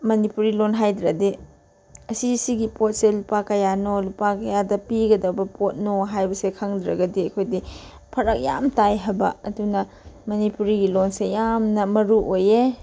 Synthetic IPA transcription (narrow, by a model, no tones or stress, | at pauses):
mɐnipuɾilonɦajdɾɐdi | ɐsisiɡipot̚selupakɐjanolupakɐjadɐpiɡɐdɐwbɐpʰot̚noɦajbɐsekʰaŋd̪ɾɐ̰ɡɐdiɐkʰojdi | pʰɐɾɐk̚ja̰mtajɦɐbɐɐdunɐ | mɐnipuɾiɡilonsejamnɐmɐɾuʔoje